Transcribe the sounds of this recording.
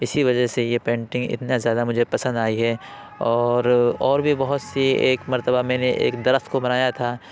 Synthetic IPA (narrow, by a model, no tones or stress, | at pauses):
ɪsiʋɐd͡ʒəɦsejepẽːɳʈɪ̃ŋɡɪ̰t̪nazjaːd̪amʊd͡ʒʱepɐsə̃nd̪aːiɦɛː | ɔːɾɔːɾbʱibɐɦʊt̪sieːkmɐɾt̪əbamɛ̃ːneʔḛːkd̪ɐɾəxt̪kobɐnaːjat̪ʰaː